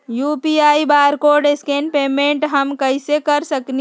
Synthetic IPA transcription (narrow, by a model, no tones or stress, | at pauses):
jupiaːibaːɾkoɖeskenpeːmẽɳʈɦəmkəɪsekəɾsəkni